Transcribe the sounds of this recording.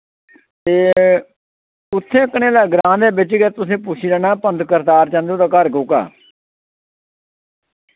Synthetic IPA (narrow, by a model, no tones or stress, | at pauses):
t̪eː | ʊt̪ʰːẽːəkːɳẽːləːɡɾãːd̪eːbɪt͡ʃɡɛt̪ʊsẽːpʊt͡ʃʰiːdɛːnaːpənt̪kəɾd̪aːɾt͡ʃãːnd̪eõːt̪ãːkəɾɡoːka̰ː